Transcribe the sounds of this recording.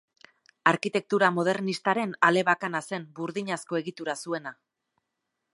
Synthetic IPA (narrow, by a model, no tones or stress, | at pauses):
aɾkit̪e̞k̚t̪uɾamo̞ð̞e̞ɾnist̪aɾe̞nale̞βakanase̞mbuɾðiɲasko̞e̞ɣit̪uɾasue̞na